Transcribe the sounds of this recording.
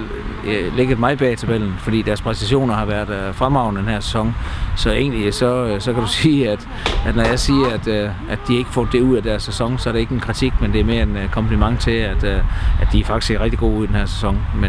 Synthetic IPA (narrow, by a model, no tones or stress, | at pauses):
leɡ̥ɐd̥mɑ̈ɪb̥ɛ̰ːt͡sʰæb̥el̰n̩fɒ̽d̥ḭːd̥æɐspʰʁɛsæɕo̝̰ːnɐhɑ̈ʋæɐd̥fʁamɑ̈ʊnəd̥enhɦæɐsesɒ̽ŋsɒ̽e̝̰ːnlisɒ̽sɒ̽kʰæɾ̥usiːæd̥ | æd̥nɒjɑ̈ɪsiːɐæd̥ | ʔæd̥d̥ihɑ̈e̝ɡ̥ə̥fɔ̰ːd̥ːe̝uð̰ˠæd̥æɐsːesɒ̽ŋsɒ̽æɐɾ̥ee̝ɡəenkʰʁit͡sʰiɡ̥mend̥e̝æɐme̝ːɐe̝nkʰɒ̽mpʰlimɑ̈ŋt͡sʰe̝læd̥ʔæd̥iæɐfɑ̈ɡ̥i̥sɡeʁɛɡ̥̚d̥iɡ̥o̝̰ːuð̰ˠd̥enhæɐsesɒ̽ŋme